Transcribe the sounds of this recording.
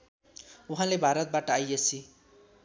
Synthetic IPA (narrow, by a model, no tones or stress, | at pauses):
uɦãlebʱaɾʌt̪̚baʈʌajʌt͡sʰi